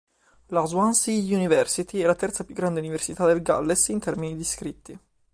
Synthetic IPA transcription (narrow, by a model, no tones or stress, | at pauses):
lazwansiunivɛrsit̪iɛlat̪ɛrt̪sapjuɡːɾand̪euniversit̪ad̪elɡa̰lːesint̪ɛrminid̪iskɾit̪ːi